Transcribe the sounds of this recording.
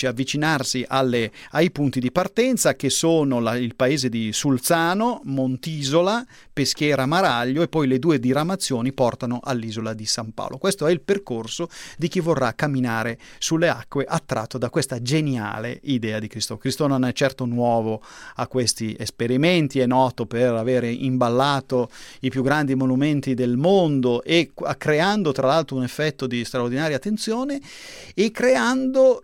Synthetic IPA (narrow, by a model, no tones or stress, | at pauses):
iavːit͡ʃinarsiʔalːeajpunt̪id̪ipart̪ɛnt̪sak̟esoːnolailpaeːzed̪isult̪saːnomont̪iːzola | pesk̟jɛːɾamaɾaʎːoepːɔjled̪uːed̪iɾamat̪sːjoːnipɔrt̪anoʔalːiːzolad̪isampa̰wlʔokwest̪oɛilperkorsod̪ik̟ivːorːakːamːinaːɾesulːea̰kːweʔat̪ːɾa̰t̪ːod̪akːwest̪ad͡ʒenja̰ːlḛid̪ɛːad̪ikɾist̪okɾist̪ononɛt͡ʃːɛrt̪onwɔːvoakːwest̪iʔespeɾiment̪iɛnːɔːt̪operaveːɾeʔimbalːaːt̪oipjuɡːɾand̪imonument̪id̪elmond̪oʔeakːɾeand̪ot̪ɾalalt̪ɾounefːɛt̪ːod̪ist̪ɾaord̪inaːɾjat̪ːent̪sjoːneː | kːɾeand̪o